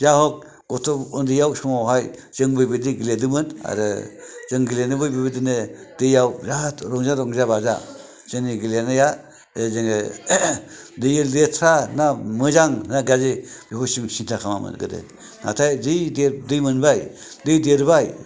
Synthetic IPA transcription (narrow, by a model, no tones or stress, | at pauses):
zaɦɔk̚ | ɡ̥ɔtʰɔɔndijawsɔmawɦajz̥ɯŋbɯjbediɡiledɯmɯna̰ɾɯ̰z̥ɯŋɡilenɯbɯjbibedinɯd̥ɯjawzatɾɔŋzaɾɔŋzabaza̰ | z̥ɯŋniɡilenɯja | ezɯŋe | dɯjɯldetʰɾanamɯzaŋnaɡazebiɦusimsintʰakʰamamɯ̰nɡɯ̰dḛ | na̰tʰajzɯjdedɯjmɯnbaj | dɯjdeɾbaj